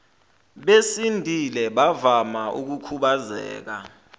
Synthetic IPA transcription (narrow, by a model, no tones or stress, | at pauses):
ɓesindʱʼilɛɓavamaʔṵk̬ukʰuɓazɛ̰ːk̬a̰